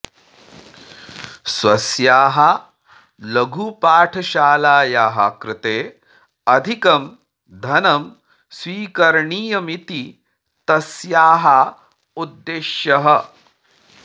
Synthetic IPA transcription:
swɐsjaːɦɐ | lɐɡʱupaːʈʰɐʃaːlaːjaːɦɐkɾɪt̪eː | ɐd̪ʱikɐm | d̪ʱɐnɐm | sʋiːkɐɾɳiːjɐmit̪i | t̪ɐsjaːɦa | ud̪ːeːʃjɐɦɐ

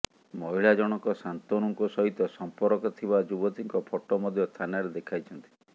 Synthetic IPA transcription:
mɔɦiɭad͡ʒɔɽ̃ɔkɔsant̪onɔŋkusɔɦit̪ɔsɔmpɔɾɔkɔt̪ʰibad͡ʒubɔt̪iŋkɔpʰɔʈɔmɔd̪ʱjɔst̪ʰanaɾed̪ekʰajt͡ʃʰɔnt̪i̥

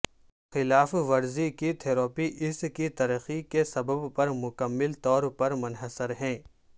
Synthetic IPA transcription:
xɪlaːfʋɐɾzikit̪ʰeːɾoːpiʔɪskit̪ɐɾəxikesɐbəbpɐɾmʊkəmːɪlt̪ɔːɾpɐɾmʊnɦəsəɾɦɛ̃ː

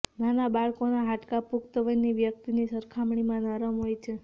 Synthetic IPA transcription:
nanabaɭkonaɦaʈkapukt̪əʋəniʋjək̚t̪inisəɾkʰamɳimãnəɾəmɦojt͡ʃʰe

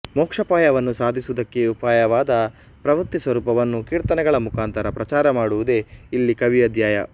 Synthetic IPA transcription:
mɔːkʂɐpaːjɐʋɐnːusaːd̪ʱisud̪ɐkːe̞upaːjɐʋaːd̪ɐ | pɾɐʋɐɾt̪isʋɐɾuːpɐʋɐnːukiːɾt̪ɐnɛɡɐɭɐmukʰaːnt̪ʰɐɾɐpɾɐt͡ʃaːɾɐmaːɽuʋud̪e̞ilːikɐʋiɐd̪ʱjaːjɐ

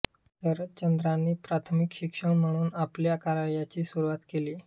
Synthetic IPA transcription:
dəɾət̪̚t͡ɕənd̪ɾanːiːpɾat̪ʰmikɕikʂəɳm̤əɽ̃uːnapljakaɾaljat͡ɕiːsuɾuʋat̪keliː

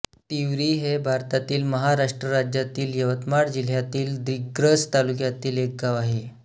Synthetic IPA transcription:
t̪iʋɾiːɦebʱaɾt̪at̪iːlməɦaɾaʂʈɾəɾad͡ʑjat̪iːljəʋət̪maɽd͡ʑil̤jat̪iːld̪iɡɾəst̪alukjat̪iːlek̚ɡaʋaɦe

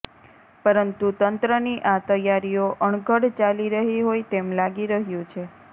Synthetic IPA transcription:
pəɾənt̪ut̪ənt̪ɾəniʔat̪əjaɾijoʔəɳɡʱəɽt͡ʃaliɾəɦiɦojt̪emlaɡiɾəɦjũt͡ʃʰe

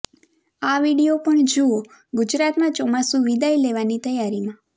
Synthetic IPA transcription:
aʋiɽijopəɳd͡ʒuo | ɡʊd͡ʒɾat̪mãt͡ʃɔmasuʋid̪ʱaileʋanit̪əjaɾimã

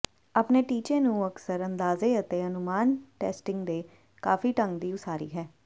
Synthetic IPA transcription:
apneːʈiːt͡ʃẽːnũːəksəɾənd̪aːzeːət̪eːənʊmaːnʈɛ̰ːsʈɪ̃ŋɡd̪eː | kaːfiːʈə̃ŋɡd̪iːʊsʰaːɾḭːɦɛː

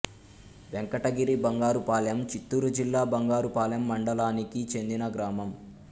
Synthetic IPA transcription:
ʋeŋkɐʈɐɡiɾibɐŋɡaːɾupaːlɐjɐmt͡ʃit̪ːuːɾud͡ʒilːaːbɐŋɡaːɾupaːlɐjɐmːɐɳɖɐlaːnikit͡ʃe̞nd̪inɐɡɾaːmɐm

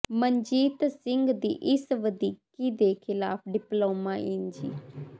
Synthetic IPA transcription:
məɲd͡ʒiːt̪sɪŋɡd̪ḭːʔɪsʋəd̪iːkiːd̪eːkʰɪlaːpʰɖɪploːmaːind͡ʒḭː

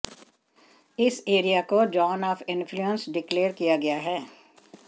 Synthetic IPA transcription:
ɪseːɾijakod͡ʒɔːnɔːfɪ̃nfʰluə̃nsɖɪkleːɾkijaɡɐjaɦɛː

